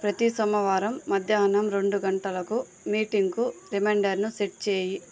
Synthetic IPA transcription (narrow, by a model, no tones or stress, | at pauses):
pɾɐt̪isɐmɐʋaːɾɐmːɐd̪ʱjaːnɐmɾe̞ɳɖuɡɐɳʈɐlɐku | miːʈiŋɡkuɾimeːɳɖɐɾnuseʈ̚t͡ʃeːji